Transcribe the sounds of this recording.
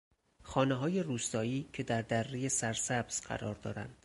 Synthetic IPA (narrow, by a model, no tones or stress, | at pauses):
xɒːneɦɒːje̞ruːst̪ɒːiːcʰe̞d̪æɾd̪ærːejesæɾsæbz̥ɢæ̰ɾɒːɾd̪ɒ̰ːɾæ̰nd̪̥